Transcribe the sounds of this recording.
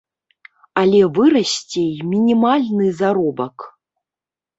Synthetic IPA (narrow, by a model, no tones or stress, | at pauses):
alʲɛvɨɾɐsʲt͡sʲejmʲinʲimalʲnɨzaɾɔbɐk